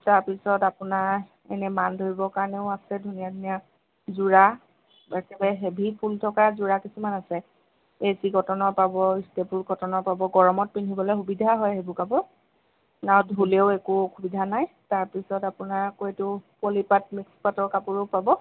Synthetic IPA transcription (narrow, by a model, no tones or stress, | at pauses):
taɹpisɔtapʊnaɹ | ɛ̰nɛmandʱoɹibɔkaɹneʊasɛdʱunijadʱunija | zuɹa | bɛkɛbɛɦebʱipʰultʰɔkazuɹakisumanasɛ | eziɡʱɔtɔnɔɹpabɔstepulɡʱɔtɔnɔɹpabɔɡɔɹɔmɔt̚pinʱibɔlɛjxubidʱaɦɔjɦebʊkabɔ | nawdʱuleʊekuxubidʱanaj | taɹpisɔtapʊnaɹkoɛtʊpolipat̚mikspatɔɹkapʊɹopabɔ